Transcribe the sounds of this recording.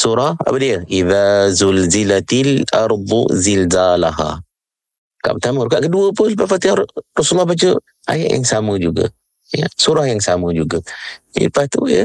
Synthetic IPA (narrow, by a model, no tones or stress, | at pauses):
suɾaha̰badiəʔiðazulzilat̪lʔɑɾˤbuzilzalaɦa̰ | ka̰ʔpət̪aməɾukaʔkəduəpəlpaʔfat̪iarɔsulːahbat͡ʃə | ʔa̰ja̰ʔja̰ŋsamə̃d͡ʒuɡa̰ | jəsuɾahjaŋsamə̃d͡ʒuɡaḭpat̪ṵjə̰